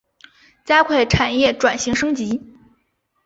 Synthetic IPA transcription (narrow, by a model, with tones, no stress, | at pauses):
t͡ɕja˥kʰwe˥˩ɪʈ͡ʂʰa˨˩njɛ˥˩ʈ͡ʂwa˨˩nɕi˧˥ŋʂɤ˥ŋt͡ɕi˧˥